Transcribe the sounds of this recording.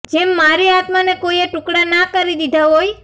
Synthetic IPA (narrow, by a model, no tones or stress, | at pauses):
d͡ʒemːaɾiat̪manekojeʈʊ̃kɽanakəɾid̪id̪ʱaɦoj